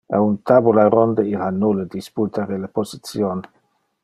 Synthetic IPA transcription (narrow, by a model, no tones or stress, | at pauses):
aunt̪abulaɾond̪eiɾanuled̪isput̪aɾelaposit͡sjon